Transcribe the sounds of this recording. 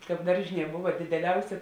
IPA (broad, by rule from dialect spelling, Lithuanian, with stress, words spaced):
ˈkɑːp ˈdɐrʲʒʲɪˌnʲiɛ ˈbʊʋɐ dʲɪdʲɛˈlʲɛʊsʲeː